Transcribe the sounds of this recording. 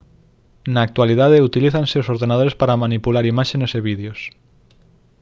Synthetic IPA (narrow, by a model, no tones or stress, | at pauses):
naːk̚t̪walið̞að̞eut̪iliθanseosoɾðenað̞oɾespaɾamãnipulaɾimaʃeneseβiðeos